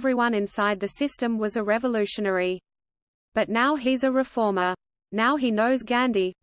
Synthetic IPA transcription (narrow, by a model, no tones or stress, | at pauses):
vɹiwʌ̃nɨ̃nsaɪd̪̚ðɨsɪstɨ̃mwʌzɨɹɛvəlʉʃɨnɛɹi | b̥ʌtⁿnaʊizɨɹɨfɔɹmə˞ | naʊinoʊzɡæ̃ndi